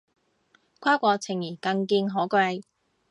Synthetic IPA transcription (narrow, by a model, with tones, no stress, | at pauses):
kʷʰaː˥kʷɔː˧t͡sʰɪ˨˩ŋjiː˨˩kɐ˧ŋkiː˧nɦɔː˨˥ka˧j